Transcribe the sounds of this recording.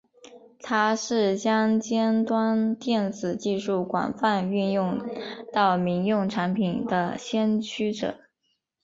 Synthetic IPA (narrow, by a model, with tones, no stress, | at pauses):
t̪ʰa˥ʂɻ̩˥˩t͡ɕjɑ˥ŋt͡ɕjɛ˥nt̪wa˥nt̪jɛ˥˩nt͡sɹ̩˨˩t͡ɕi˥˧ʂu˥˩kwa̰˨˩nfa˥˧ny˥˧njʊ˥˧ŋt̪ɑ˥˩ʊmi˧˥ŋjʊ˥˩ŋʈ͡ʂʰa˧˥npʰi˨˩nd̪ə˦ɕjɛ˥nt͡ɕʰy˥ʈ͡ʂɤ̰˨˩˦